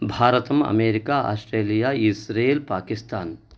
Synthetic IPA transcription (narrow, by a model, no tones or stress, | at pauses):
bʱaːɾɐt̪ɐmɐ̰meːɾikaːa̰ːsʈɾeːlijaːisɾeːlpaːkist̪aːn